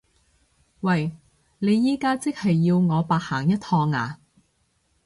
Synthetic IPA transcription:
wɐ˨j | ne˨˧jːiː˥kaː˥t͡sɪ˥k̚hɐ˨jːiː˧wŋɔː˨˧paː˧t̚haː˨˩ŋjɐ˥t̪̚ʰɔː˧ŋa̰ː˨˩

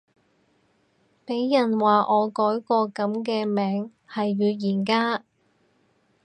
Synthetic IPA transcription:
pe˨˥jːɐ˨˩nwaː˨˩ʔɔː˨˧kɔː˨˥jkɔː˧kɐ˨˥mkɛː˧mɛː˨˧ŋ | hɐ˨jɥyː˨˧jiː˨˩nkaː˥

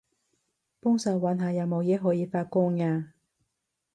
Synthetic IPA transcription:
pʊ˥ŋsɐ˨˧wwa˨˥nɦaː˨˧jɐ˨˧wmo˨˧wjɛː˨˥ɦɔː˨˥jiː˨˧faː˧t̚kʊ˥ŋŋaː˧

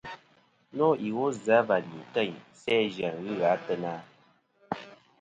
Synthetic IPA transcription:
nɔ˦ʔi˨wo˦za˨˦va˨di˨tə˦˨ɲsɛː˦d͡ʒa˨ŋɣɨ˦ɣa˨˦tə˦na˦

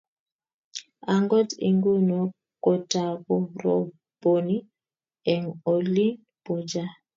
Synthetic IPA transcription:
a˨ŋɡɔ˦tḭ˨ŋɡu˦nɔ˨ | kɔ˨ta˨kɔ˨ɾɔ̰˨ | bo˨ni˦ | ɛ˨ŋɔ˨li˦n | pɔ˨d͡ʒa˦

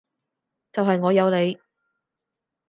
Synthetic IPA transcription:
t͡sɐ˨wɦɐ˨jŋɔː˨˧jɐ˨˧wle˨˧j

